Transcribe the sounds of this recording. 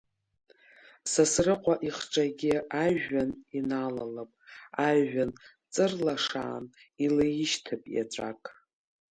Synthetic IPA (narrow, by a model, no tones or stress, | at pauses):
sasrɨqʷʼaʔiχʈ͡ʂʼaɡʲɪaʒaninalalapʼaʒan | t͡sʼɨrlaʂa̰ːnilajɪʃtʰɨpʼja̰ʈ͡ʂʷʼakʼ